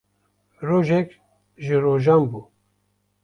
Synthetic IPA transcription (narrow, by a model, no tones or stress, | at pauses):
roːʒɛk | ʒɨɾoːʒaːmbuː